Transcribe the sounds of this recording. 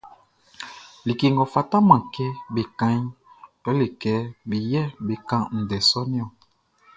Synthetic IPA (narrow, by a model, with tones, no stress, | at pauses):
li˨ke˨ŋɡɔ˨fa˨ta˦mã˨kɛ˦be˨kã˦ɲ | kɔ˨˦le˨kɛ˨˦bi˨jɛ˦be˨kã˦n̩˨dɛ˨sɔ˦ni˦ɔ˨